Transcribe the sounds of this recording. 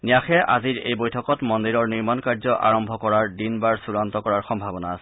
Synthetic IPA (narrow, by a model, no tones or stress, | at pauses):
nijaxɛʔa̰ziɹejbojtʰɔkɔtmɔndiɹɔɹniɹmankaɹzɔʔa̰ɹɔmbʱɔkɔɹaɹdinbaɹsuɹantɔkɔɹaɹxɔmbʱabɔnaːsɛ̥